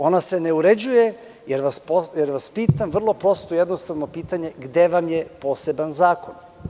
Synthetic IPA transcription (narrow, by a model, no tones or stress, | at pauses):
o̞nase̞ne̞uɾe̞d͡ʑuje̞ | jeɾʋaspojeɾʋaspiːt̪amʋr̩lˠo̞pɾo̞st̪ojed̪nost̪aʋno̞piːt̪aɲe̞ɡd̪e̞ʋamje̞po̞ːse̞banzaːko̞n